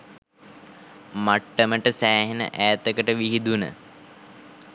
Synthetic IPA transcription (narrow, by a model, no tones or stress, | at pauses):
maʈːəməʈəsæːɦenə̰ʔæːt̪əkəʈəʋiɦid̪unə̰